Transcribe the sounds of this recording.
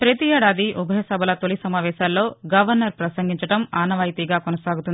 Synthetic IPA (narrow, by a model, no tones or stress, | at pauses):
pɾɐt̪iɛːɽaːd̪iʔubʱɐjɐsɐbʱɐlɐt̪olisɐmaːʋɛːʃaːlːo̞ːɡɐʋɐɾnɐɾpɾɐsɐŋɡiɲt͡ʃɐʈɐmaːnɐʋaːjt̪iɡaːkonɐsaːɡut̪u